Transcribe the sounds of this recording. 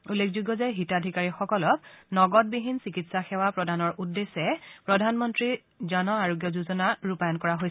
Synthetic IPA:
ulːekʰzuɡɔzaɦitadʱikaɹixɔkɔlɔk̚nɔɡɔt̚biɦinsikitsaxɛwapɹɔdʱanɔɹʔudːesɛpɹɔdʱanmɔntɹi | zanɔaɹɔɡjɔzuzɔnaɹupajɔnkɔɹaɦoj

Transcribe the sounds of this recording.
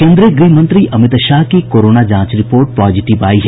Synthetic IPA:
kẽːnd̪ɾiəɡɾiːɦmə̃nt̪ɾiʔɐmɪt̪ʃaːɦkikoːɾoːnad͡ʒãːt͡ʃɾɪpoːɾʈ̚pɾɔːd͡ʒɪʈɪʋaːiɦɛ

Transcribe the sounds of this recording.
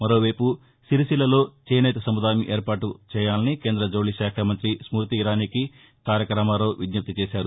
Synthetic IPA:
mɐɾo̞ːʋɐjpu | siɾisilɐlo̞ːt͡ʃeːnɐjt̪ɐsɐmud̪aːjɐmiʔeːɾpaːʈut͡ʃɛːjaːlɐnike̞ːnd̪ɾɐd͡ʒoːliʃaːkʰaːmɐnt̪ɾismuːɾt̪iːɾaːniki | kaːɾjɐkɾɐmaːɾo̞ːʋid̪nɐp̚t̪it͡ʃeːʃaːɾu

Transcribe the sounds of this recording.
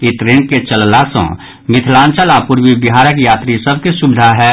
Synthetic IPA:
it̪ɾeːnket͡ʃəllasɔ̰̃ | mɪt̪ʰlãːnt͡ʃəlapuɾwibɪɦaːɾəkjaːt̪ɾisəb̚ʱkesubɪd̪ʱaɦɛ

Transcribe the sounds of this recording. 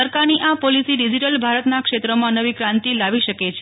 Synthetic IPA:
əɾkaɾniʔapolisiɖid͡ʒiʈəlbʱaɾət̪nakʃet̪ɾəmãnəʋikɾãnt̪ilaʋiʃəket͡ʃʰe

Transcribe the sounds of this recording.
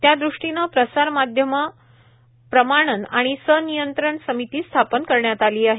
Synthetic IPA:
t̪jad̪ɾuʂʈinəpɾəsaɾmad̪ʱjəmə | pɾəmaɽ̃əna̰ɽ̃isənijənt̪ɾəɳsəmit̪iːst̪ʰapənkəɾɳjat̪aliːaɦe

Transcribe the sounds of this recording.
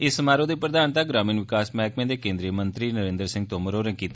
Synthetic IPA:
ɪsːəmaːɾõːd̪eːpɾəd̪aːnt̪aːɡɾaːmiːnʋɪkaːsmɛ̃ːkmẽːd̪eːkẽːnd̪ɾiəmə̃nt̪ɾiːnəɾẽːnd̪əɾsɪ̃ŋɡt̪oːməɾoːɾɛ̃ːkiːt̪a

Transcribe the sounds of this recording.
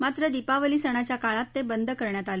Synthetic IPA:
mat̪ɾəd̪ipaʋəlisəɽ̃at͡ɕjakaɭat̪ːebənd̪ʱəkəɾɳjat̪ale

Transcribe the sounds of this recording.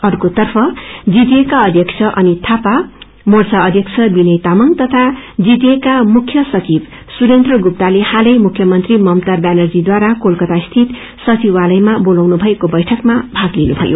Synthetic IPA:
ʌrkot̪ʌrpʰʌd͡zid̪ekaʌd̪ʱjʌkt͡sʰʌʔʌnit̪ʰapa | mort͡saʌd̪ʱjʌkt͡sʰʌbinʌjt̪amʌŋt̪ʌt̪ʰad͡zid̪ekamukʰjʌsʌt͡sib | suɾent̪rʌɡup̚t̪alehalʌjmukʰjʌmʌnt̪rimʌmt̪arbanʌrd͡zid̪waɾakolkʌt̪ast̪ʰit̪ | sʌt͡siwalʌjmabolawnubʱʌekobʌjʈʰʌkmabʱaɡlinubʱʌ̰jo̰

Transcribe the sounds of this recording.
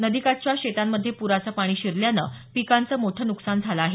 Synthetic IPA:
nəd̪ikat͡ɕjaɕet̪amːəd̪ʱːjepuɾat͡səːpaɽ̃iːɕiɾljanə̰pikant͡səːmoʈʰənuksand͡zʱalaaɦe

